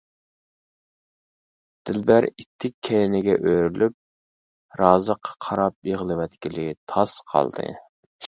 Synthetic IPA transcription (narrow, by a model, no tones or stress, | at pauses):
d̪̥ɪlbæɾit̪ʰːɪkʲʰːɛlɪnɪɡʲɛʔøɾylyp̚ | ɾɑːzəqʰːɑ̥qʰɑɾɑp̚eʁlˠɨwɛt̪kʲilɪt̪ʰɑsqʰɑ̰lˠd̪ɨ̰